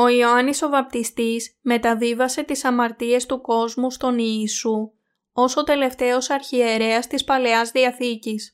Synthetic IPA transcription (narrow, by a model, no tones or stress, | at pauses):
o̞ioɐniso̞vɐp̚t̪ist̪isme̞t̪ɐvivɐse̞t̪isɐmɐɾt̪ie̞st̪uko̞zmust̪o̞niːsu | o̞so̞t̪e̞le̞ft̪e̞o̞sɐɾçie̞ɾe̞ɐst̪ispɐle̞ɐzðiɐθicis